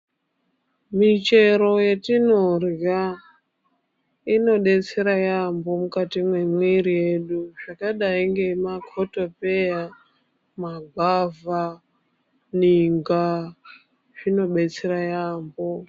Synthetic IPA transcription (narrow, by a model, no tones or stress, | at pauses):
mit͡ʃe̞ɾo̞je̞tinorja | ino̞ɗe̞t͡se̞ɾajambo̞mukatimwe̞mwiɾije̞ɗuʐakaɗaiŋɡe̞makʰoto̞pe̞ja | maɡʱava | niŋɡa | ʐ̥ino̞ɓe̞t͡seɾajaːmbo